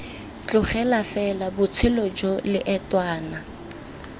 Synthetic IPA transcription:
t͡ɬʼʊχɛlafɛlabʊt͡sʰɪlɔd͡ʒɔlɪʔɛtwaːna

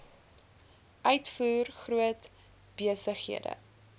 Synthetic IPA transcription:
ʔœɥtfuːrχruət | b̥iəsəχhḭədə̰

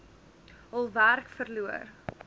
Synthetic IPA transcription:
ɦəlˠværkfərluər

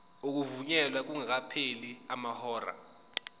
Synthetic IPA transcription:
ok̬uvuɲɛlwak̬uŋak̬apʰeliamahɔːra̰

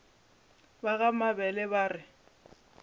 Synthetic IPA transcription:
baɣamabɛlɛβaːrɪ

